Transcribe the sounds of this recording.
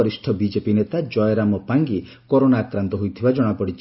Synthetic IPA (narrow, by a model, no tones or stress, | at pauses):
ɔɾisʈʰɔbid͡ʒepinet̪ad͡ʒɔjɔɾamɔpaŋɡi | kɔɾonaːkɾant̪ɔɦujt̪ʰibad͡ʒɔɽ̃apɔɽit͡ʃʰ